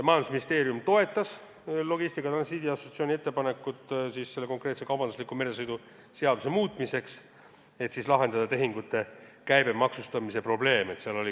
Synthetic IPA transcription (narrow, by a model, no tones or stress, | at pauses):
mɑjɑnd̪usminʲist̪e̞ːɾjumt̪o̞e̞t̪ːˑɑs | lo̞ɡist̪ikːˑɑt̪ɾɑnsiːd̪iɑso̞t̪sio̞niet̪ːe̞pɑne̞kːˑut̪ˑsisse̞lːe̞ko̞ŋkre̞t̪se̞kɑwbɑnd̪uslikume̞ɾe̞sɤjd̪u | se̞ɑd̪use̞muːt̪ˑmise̞ks | e̞t̪sislɑɦe̞nd̪ɑd̪̥ɑt̪e̞ɦiŋɡut̪ːe̞kæjbe̞mɑksust̪ɑmisepro̞ble̞ːmet̪seɑlo̞lʲi